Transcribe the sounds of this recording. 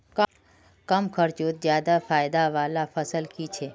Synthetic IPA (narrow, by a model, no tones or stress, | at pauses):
k | kəmkʰəɾt͡ʃot̪̚d͡ʒjad̪afajd̪aʋalafəsəlkit͡ʃʰe